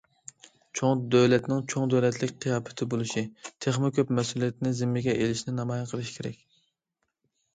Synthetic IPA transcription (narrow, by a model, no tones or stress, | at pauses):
t͡ʃʰoŋd̪øwlɛt̪nɪŋt͡ʃʰoŋd̪øwlɛt̪ʰlɪkʲqʰijɑːpɛ̥t̪ʰɪbolˠɨʃit̪ʰeχmɪkʲʰøpmɛsulˠijɛt̪nɪzɪmːɪɡʲɛʔelɪʃnɪnɑmɑjɑqʰəlˠɨʃi̥kʲʰeɾɛ̰kʲ